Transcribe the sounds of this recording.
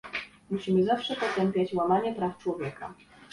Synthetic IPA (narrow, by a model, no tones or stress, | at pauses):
muɕimɘzafʂɛpɔt̪ɛmpʲjat͡ɕwamaɲɛpɾaft͡ʂwɔvʲjɛka